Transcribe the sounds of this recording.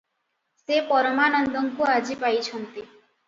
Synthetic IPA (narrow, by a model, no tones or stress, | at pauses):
sepɔɾɔmanɔnd̪ɔŋkuad͡ʒipajt͡ʃʰɔnt̪i